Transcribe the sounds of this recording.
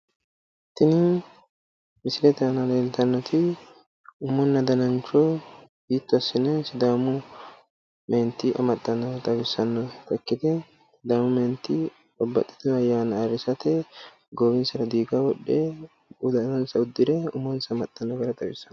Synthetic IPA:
t̪ːɪnɪ | mɪsɪlɛt̪ɐnɐleːlt̪ɐnːɔt̪ʰɪ | ʊmːɔnːɐd̪ɐnɐnt͡ʃɔ | biːt̪ːʊɐsːɪnɛsɪd̪aːmʊ | meːnt̪ːɪʔɐ̰mɐt̪ʼːɐnːɔt̪ʼɐbɪsːɐnːɔt̪ɐkːɪt̪ɛ | d̪aːmʊmeːnt̪ːɪ | bɔbːɐ̰t̪ʼːɪ̥t̪ɔɐjːaːnɐːɾɪsɐt̪ɛ | ɡoːbɪnsɐɾɐd̪iːɡawɔɗːe | ʊd̪ɐnɐnsɐʊd̪ːɪɾɛʊ̰mːɔnsɐmɐt̪ʼːɐnːɔɡɐɾɐt̪ʼɐbɪsːɐn

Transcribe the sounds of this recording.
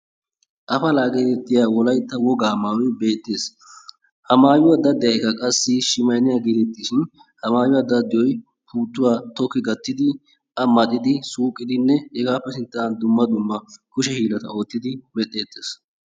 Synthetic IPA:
ʔɐfɐlaːɡet̪ɛt̪ːɪjaːwɔlɐjt̪ːɐwɔɡaːmaːwɪbe̞ːt̪ʼːeːs | hɐmaːjɪwɐd̪ːɐd̪ɪjɐjkɐkʼɐsːɪʃɪmɐjnɪjaːɡeːt̪ɛt̪ːɪʃɪn | hɐmaːjʊwɐd̪ːɐd̪ɪjɔj | pʰuːt̪ːʊwaːt̪ɔkːɪɡɐt̪ːɪd̪ɪ | ʔɐmɐt̪ʼːɪd̪ɪsuːkʼːɪd̪ɪnːɛhɛɡaːpːɛsɪnt̪ːɐɐnd̪ʊmːɐd̪ʊmːɐkʊʃɛhiːlɐt̪ɐo̞ːt̪ːɪd̪ɪmɛt̪ʼːe̞ːt̪ːeːs

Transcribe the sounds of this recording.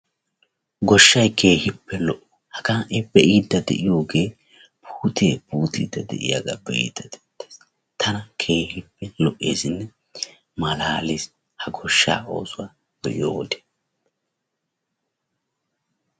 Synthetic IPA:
ɡɔʃːɐjkʰe̞ːhɪpʰːɛlɔʔɔ̥hɐkaːʔɛbɛʔiːd̪ːɐd̪ɛ̰ʔɪjoːɡeː | pʰuːt̪ʰeːbuːt̪ḭːd̪ɐd̪ɛ̰ʔɪ̰ja̰ɡa̰ːbɛʔḭːd̪ːɐd̪ɛd̪e̥ːs | t̪ʰɐnɐkʰe̞ːhɪpːɛlɔʔːe̞̰ːsɪnːɛ | mɐlaːlɪs | hɐɡɔʃːa̰ːo̞̰ːsʊwaː | bɛʔɪjo̰ːwɔd̪e̥ː

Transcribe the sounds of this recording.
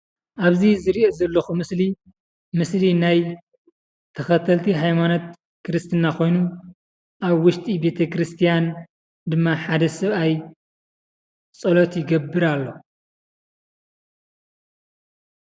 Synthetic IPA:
ʔaβzizɨɾiʔozɐlːoxumɨsli | mɨslinaj | t̪ʰɐxɐt̪ʰɐlt̪ʰiɦajmanot̪̚ | kɨɾɨst̪ʰɨnːakʰo̞jnu | ʔaβwʊʃt̪ʼibe̞t̪ʰɐkɨɾɨst̪ʰijan | d̪ɨmːaħad̪ɐsɐβaj | t͡sʼɐlot̪jɪɡɐbːɨɾalːo̞

